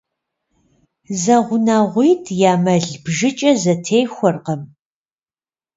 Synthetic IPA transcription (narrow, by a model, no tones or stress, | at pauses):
zɐʁʷʊnaːʁʷiːtʰjaːmɐɮbʒɪt͡ʃʼɐzɐtʰeːjxʷɔrqɐm